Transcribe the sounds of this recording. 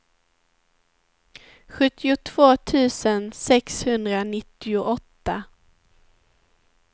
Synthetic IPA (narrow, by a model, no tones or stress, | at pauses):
ɧɵt̪ːɪʊt̪ʰv̥oːt̪ʰʉ̟ːsənsɛkshɵnd̪ɾanɪt̪ːɪʊʔɔt̪ːa